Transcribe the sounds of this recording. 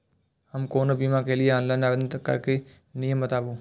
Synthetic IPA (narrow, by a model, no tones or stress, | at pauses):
həmkoːnəbiːmãːkeːlɪjeãːnlaːnaːʋed̪nkə̰ɾkeː | nɪjəmət̪aːbuː